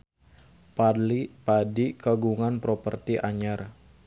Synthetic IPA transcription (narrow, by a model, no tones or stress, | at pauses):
palipadikaɡuŋanpɾopərt̪iʔaɲar